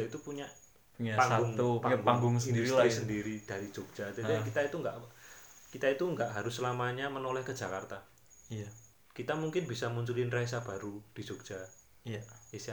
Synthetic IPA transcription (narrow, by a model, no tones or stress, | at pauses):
ait̪upuɲa | ɲapaŋaʊŋupaɡaŋɡʊŋsəindiduɾsitɾisəndiɾid̥aɾi̥d͡ʒ̥oɡ̥̚d͡ʒ̥ad͡ʒaikit̪ait̪uŋɡaʔkit̪ait̪uŋɡaʔɦaɾʊsːlamaɲamənolɛhkəd͡ʒ̥akart̪a | j | kit̪amuŋkɪnbisamuɲt͡ʃulɪnrais̬ab̥aɾud̥i̥d͡ʒ̥oɡ̥d͡ʒ̥a | isa